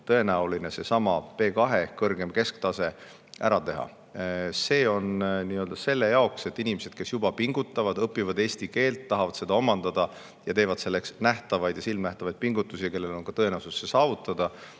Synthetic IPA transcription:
t̪ɤe̞næuline̞se̞sɑmɑpe̞ːkɑɦe̞kɤrɡ̥e̞mke̞skt̪ɑse̞ | æ̰ɾɑt̪e̞ɦɑ̰ | se̞ːo̞nniːø̞ld̪ɑse̞lːe̞jɑokse̞t̪ːinimese̞d̪̥̚ke̞sjubɑpiŋɡut̪ːˑɑvɑd̪̥ɤpːˑivɑd̪e̞ːst̪ike̞ːlt̪ːɑɦɑvɑd̪se̞d̪ɑo̞mɑnd̪̥ɑd̪̥ɑ | jɑt̪e̞ːvɑd̪̥se̞lːe̞ksnæht̪ɑvɑjd̪jɑsilmnæht̪ɑvɑjd̪̚piŋɡut̪ːˑusijɑke̞lːelo̞nŋkɑt̪ɤ̞e̞næwsusːesɑːvut̪ːˑɑd̪̥ɑ

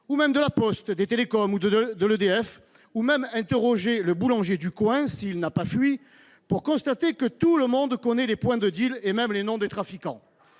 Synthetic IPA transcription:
umɛmd̪əlapɔst̪d̪et̪elekɔmud̪əd̪ələd̪eɛf | umɛmɛ̃t̪eʁɔʒeləbulɑ̃ʒjed̪ykwɛ̃siːlnapafɥi | puʁkɔ̃st̪at̪ekət̪uləmɔ̃d̪kɔnɛlepwɛ̃d̪əd̪ilemɛmlenɔ̃d̪et̪χafikɑ̰̃

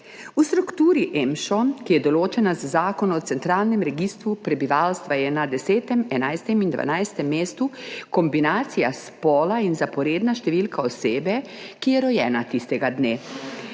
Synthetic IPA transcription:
ust̪ɾukt̪uːɾiʔɛmʃɔkijɛd̪ɔloːt͡ʃɛnazazaːkɔnɔt̪sɛnt̪ɾaːlnɛmɾɛɡist̪ɾupɾɛbiʋalst̪ʋajɛnad̪ɛseːt̪ɛmɛnajst̪ɛmind̪ʋa̰najst̪ɛmːeːst̪ukɔmbinaːt̪sijaspɔːlainzapɔɾeːd̪naʃt̪ɛʋiːlkaɔseːbɛkijɛɾɔjɛːnat̪ist̪ɛɡad̪neː

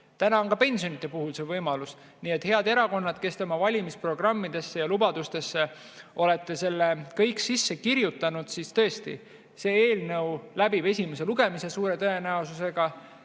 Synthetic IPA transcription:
t̪ænɑonkɑpe̞nʲsionit̪ˑːe̞puhulse̞vɤjmɑlus | niet̪ˑhe̞ɑd̪e̞ɾɑko̞nːɑd̪̥ke̞st̪e̞mɑvɑlʲimispro̞ɡ̥rɑmːid̪̥e̞sːe̞jɑlubɑd̪̥ust̪e̞sːe̞ | ʔo̞le̞t̪ːe̞se̞lːekɤjksisːe̞kirjut̪ːˑɑnud̪̥sist̪ɤe̞st̪ḭ | se̞e̞ːlnɤwlæbibe̞sʲime̞se̞luɡ̥e̞mise̞suːɾe̞t̪ɤe̞næosuse̞ɡ̥ɑ

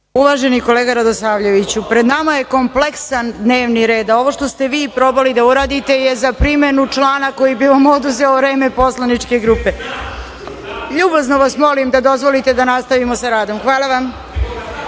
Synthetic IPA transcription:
uʋaʒeniko̞leːɡaɾad̪osaːʋʎe̞ʋit͡ɕupɾed̪namajeko̞mple̞ksand̪ne̞ːʋniɾe̞ːd̪ao̞ʋo̞ʃt̪ost̪e̞ʋiːpɾo̞balid̪auɾaːd̪it̪e̞jezapɾimenut͡ʂlˠaːnako̞jibiʋamod̪uzeoʋɾe̞ːmepo̞slanit͡ʂke̞ɡɾuːpe | ʎuːbaznoʋasmo̞limd̪ad̪o̞zʋo̞lit̪ed̪anast̪aʋimosaɾaːd̪o̞mxʋaːlˠaʋam

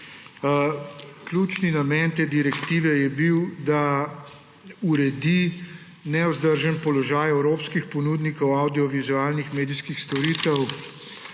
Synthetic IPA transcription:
klʲuːt͡ʃninamɛnt̪eːd̪iɾɛkt̪iːʋɛjɛbiwd̪a | uɾɛd̪i | nɛɔzd̪əɾʒənpɔlɔʒaːjɛwɾoːpskixpɔnud̪nikɔwawd̪iɔʋizuaːlnixmeːd̪iskixst̪ɔɾiːt̪ɛw

